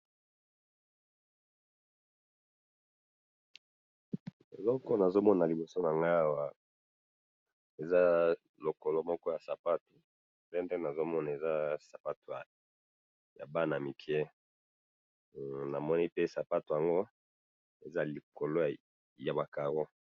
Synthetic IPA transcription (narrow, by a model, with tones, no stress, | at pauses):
e˨lɔ˦kɔ˦na˨zo˦mɔ˦na˨li˨bo˨so˦na˨ŋɡa˦a˦˨wa˦ | e˨za˦ | lo˨ko˨lo˦mɔ˦kɔ˦ja˨sa˨pa˦tu˨ | ndɛ˦ndɛ˦na˨zo˦mɔ˦na˨e˨za˦sa˨pa˦tu˨ja˨ | ja̰˨ba˦na˨mi˨kʰɛ˦ | na˨mɔ˦ni˦pe˦sa˨pa˦to˨a˨ŋɡo˦ | e˨za˦li˨ko˨lo˦ | ja˨ba˨ka˨ʁo˦